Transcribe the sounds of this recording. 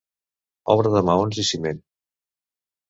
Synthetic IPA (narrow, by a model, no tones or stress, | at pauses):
ɔ̰βɾəðəmaonzisimen